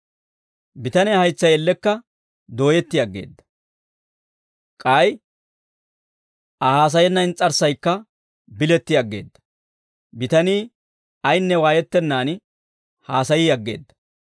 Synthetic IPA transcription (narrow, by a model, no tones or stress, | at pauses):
bɪt̪ɐnɛhɐjt͡sːɐjɛlːɛkːɐ | d̪o̞ːjɛt̪ːɪjɐɡːe̞̰ːd̪ːɐ̥ | kʼɐj | ʔɐhaːs̬ɐjɛnːɐnt͡sʼːɐɾsɐjkːɐ | bɪlɛt̪ːɪjɐɡːe̞̰ːd̪ːɐ̥ | bɪt̪ɐniː | ɐjnːɛwaːjɛt̪ːɛnːaːnɪ | haːsɐjiːɐɡːe̞̰ːd̪ːɐ̥